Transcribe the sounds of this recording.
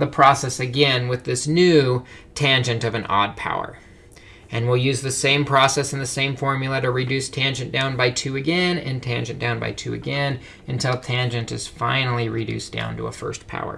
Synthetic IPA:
ðəpʰɹ̥ɔsɛsɨɡɛ̃nwɨðɪsnʉtʰæ̃nd͡ʒɨ̃ntʌvɨ̃nʔɔ̰d̚pʰa̰ʊə̰˞ | ɨ̃nwilˠjʉzðɨsẽɪ̃mpʰɹ̥ɔsɛsn̩ðɨsẽɪ̃ɱfɔɹmjl̩ˠəɾɨɹɨdʉstʰæ̃nd͡ʒɨ̃nd̥ãʊ̃nbaɪtʰʉɨɡɛ̃nɨ̰̃ntʰæ̃nd͡ʒɨ̃nd̥ãʊ̃nba̰ɪtʰʉɨ̰ɡɛ̃n | ɨ̃ntʰɪlˠtʰæ̃nd͡ʒɨ̃ntɨz̥fãɪ̃nl̩ˠiɹidʉ̰sd̥ã̰ʊ̃ntʰə̰ə̰fɜ̰˞spʰa̰ʊə̰˞

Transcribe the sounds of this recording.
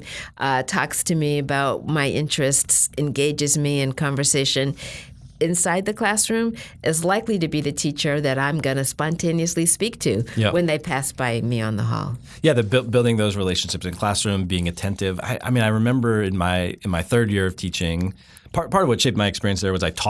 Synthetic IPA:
ʔtʰɔ̰kstʰɨmiɨbaʊt̚maɪʔɪ̃nt͡ʃɹ̥ɨstsɨ̃nɡeɪd͡ʒɨzmiɨ̃nkʰɑ̃ɱvə˞seɪʃɨ̃n | ɨ̃nsaɪd̪̚ðɨkʰl̥æsɹʉ̃mʔɨzlaɪkliɾɨbiðɨtʰit͡ʃə˞ðɨɾãɪ̃mɡʌnɨspɑ̃ntʰẽɪ̃niɨslispik̚tʰʉjæwɨ̃nðeɪpʰæsb̥aɪmiə̰̃nðə̰ɦɔ̰lˠ | jæðɨbɪlˠt̚bɪlˠdɪ̃ŋðoʊzɹileɪʃn̩ʃɪpsɨ̃nkʰl̥æsɹʉ̃mbiɪ̃ŋɨtʰɛ̃ntɪva̰ɪʔa̰ɪmĩnaɪɹɨmɛ̃mbə˞ɨ̃nmaɪɨ̃nmaɪθɜ˞djɪɹʌv̥tʰit͡ʃɪ̃ŋ | pʰɑɹt̚pʰɑɹɾʌvwʌtʃeɪp̚maɪɨkspɪɹiɨ̃nsðə˞wʌzaɪtʰɔ

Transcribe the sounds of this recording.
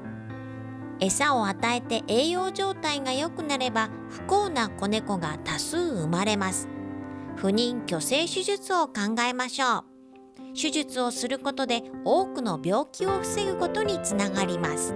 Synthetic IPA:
e̞sao̞at̪ae̞t̪e̞ʔeːjo̞ːʑo̞ːt̪aiɡajo̞kɯ̟naɾe̞ba | ɸɯ̟̥ko̞ːnako̞ne̞ko̞ɡat̪asɨːɯmaɾe̞masɨ̥ɸɯ̟ɲ̟ĩŋkʲo̞se̞ːɕɨʑɨt͡sɨo̞kãŋɡae̞maɕo̞ː | ɕɨʑɨt͡sɨo̞sɨɾɯ̟ko̞t̪o̞d̪e̞o̞ːkɯ̟no̞bʲjo̞ːkʲio̞ɸɯ̟̥se̞ɡɯ̟ko̞t̪o̞ɲ̟it͡sɨnaɡaɾʲimasɨ̥

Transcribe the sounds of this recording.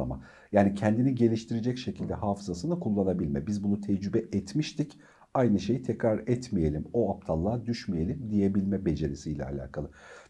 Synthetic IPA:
a̰ma̰ | jaːnicʰɛnd̪iniɟe̞lʲiʃt̪ʰiɾed͡ʒɛcʃe̞cʰilʲd̪ɛhaːfɯzasɯnakʰulˠːanabilʲmɛbizbunut̪ʰɛd͡ʒɾybɛɛt̪miʃt̪ʰic | ajnɯʃe̞jit̪ʰɛcɾaɾɛt̪mije̞lʲimo̞ap̚t̪ʰalˠːaːd̪yʃmije̞lʲimd̪ije̞bilʲmɛbe̞d͡ʒe̞ɾisijlʲɛ̰a̰lʲa̰ːkʰalˠɯ

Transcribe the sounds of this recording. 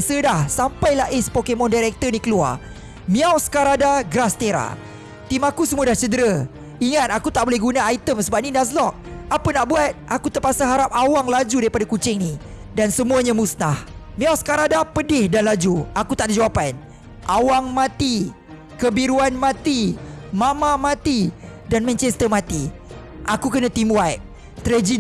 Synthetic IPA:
sədahsampajlaʔɛspokemɔ̃ndaɾɛk̚t̪ərnikəlua̰r | mĩawskaɾadaɡɾast̪eɾa̰ | t̪imakusəmũadaht͡ʃədəɾə | iŋat̪̚akut̪aʔbolɛɦɡunaːjt̪əmsəbap̚ninas̬lɔk̚apənaʔbuat̪̚ʔakut̪ərpasaɦaɾap̚awaŋlad͡ʒudaɾipadakut͡ʃɪŋni | dansəmuaɲãmusnahmĩɔsə̥kaɾadapədɪhdanlad͡ʒuakut̪aʔdad͡ʒawapan | ʔawaŋmãt̪i | kəbiɾuanmãt̪imãmãmãt̪idanmɛ̃ɲt͡ʃɛst̪əmãt̪i | ʔakukənãt̪imuajʔ̚ | t̪əɾɛd͡ʒi

